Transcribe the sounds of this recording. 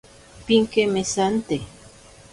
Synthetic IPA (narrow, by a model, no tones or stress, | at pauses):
piŋkemesant̪e